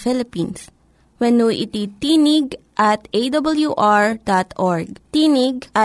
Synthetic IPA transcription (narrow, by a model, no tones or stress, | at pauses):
fɪlɪpins | wɛnuʔɪt̪it̪inɪɡ̚ʔɐt̪ʔejd̪ɐbɐljuʔaɹd̪at̪ʔoɹɡ̚t̪inɪɡ̚ʔa